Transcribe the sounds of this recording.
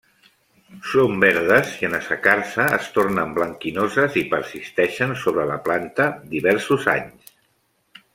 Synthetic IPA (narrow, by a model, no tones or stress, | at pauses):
sombɛɾðəziənəsəkaɾsəːst̪oɾnəmbləŋkinozəzipəɾsist̪ɛʃənsoβɾələplant̪əd̪iβɛɾsuza̰ɲs